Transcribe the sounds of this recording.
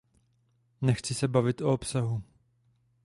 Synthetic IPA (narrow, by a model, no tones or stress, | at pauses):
nɛxt͡sɪsɛbavɪt̪ʔoopsaɦu